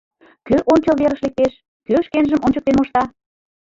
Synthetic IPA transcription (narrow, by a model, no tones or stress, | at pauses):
køʔonʲt͡ɕəlβeɾəʃlek̚t̪eʃ | køʃkenʒəmʔonʲt͡ɕək̪̚enmoʃt̪ɑ